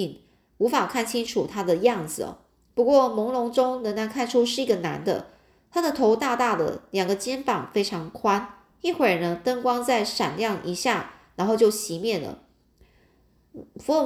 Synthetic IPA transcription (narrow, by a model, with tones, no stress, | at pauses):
ŋ | u˧˥fa˨˩kʰa˥˩nt͡ɕʰi˥ŋʈ͡ʂʰu˨˩t̪ʰa˥d̪ə˨jɑ˥˩ŋd͡zɹ̩̰˨˩˨ | pu˧˥kwɔ˥˩mʊ˧˥ŋlʊ˧˥ŋʈ͡ʂʊ˥ŋnə˧˥ŋna˧˥nkʰa˥˩nʈ͡ʂʰu˥ʂɻ̩˥˩i˧˥ɡə˨˩na̰˧˥nd̪ə̰˧ | t̪ʰa˥d̪ə˨t̪ʰo˧˥ʊt̪a˥˧t̪a˥˩d̪ə̰˩ljɑ˨˩ŋɡə˦t͡ɕjɛ˥nfɑ˨˩ŋfe˥ɪʈ͡ʂʰɑ˧˥ŋkʰwa˥n | i˥˩xwə˨˩nə˦t̪ə˥ŋkwɑ˥ŋt͡sa˥˩ɪʂa˨˩nljɑ˥˩ŋʔi˧˥ɕja˥˩na˧˥nxo˥˧ʊt͡ɕjo˥˩ʊɕi˧˥mjɛ˥˩nlə̰˩ | fu˧˥˧